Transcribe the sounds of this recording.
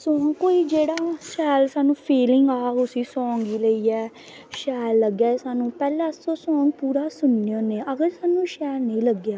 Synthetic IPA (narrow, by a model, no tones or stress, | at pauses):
sɔːŋkoːiːd͡ʒeːɽaːʃɛːlsaːnũːpʰiːlɪŋɡaːɡʊsĩːsɔ̃ːŋɡiːləiːɛː | ʃɛːlːəɡjaːsaːnũːpɛːlãːsoːsɔ̃ːŋɡ̚puːɾaːsʊnːejõːneːʔəɡəɾsaːnũːʃɛːlnəĩːləɡjaː